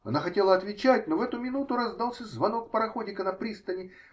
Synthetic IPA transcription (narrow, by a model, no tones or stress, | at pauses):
ɐ̰naxɐtʲe̞lˠəɐt̪vʲɪt͡ɕætʲnovɛt̪ʊmʲɪnut̪ʊɾɐzd̪ɑlˠsʲəzvɐno̞k̚pəɾɐxodʲɪkənɐpɾʲist̪ənʲɪ